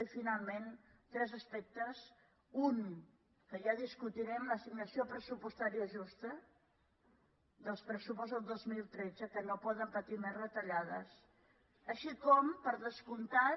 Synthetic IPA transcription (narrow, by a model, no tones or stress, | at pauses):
ifinalˠmen | t̪ɾɛzəspɛk̚t̪əs | un | kəʒaðiskut̪iɾɛmləsiɡnəsiopɾəsupust̪aɾiəʒust̪ə | d̪əlˠspɾəsupɔzðəlˠd̪ozmilˠt̪ɾedd͡zəkənopɔðəmpət̪imɛzrət̪əʎaðəs | əʃikɔmpəɾðəskunt̪a